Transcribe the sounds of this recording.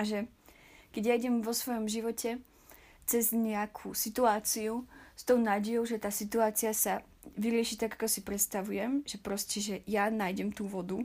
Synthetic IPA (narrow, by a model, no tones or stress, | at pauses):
aʒɛ | kɛɟjaiɟɛmʋɔsʋɔjɔmʒiʋɔcʰɛ | t͡sɛzɲɛakʰuːsit̪uaːt͡siust̪ɔʊnaːɟɛjɔʊʒɛt̪aːsit̪uaːt͡siasa | ʋiɾɪɛʃit̪aɡakɔsipɾɛt̪st̪aʋujɛmʒɛpɾɔscɛʒɛjanaːjɟɛmt̪uːʋɔd̪u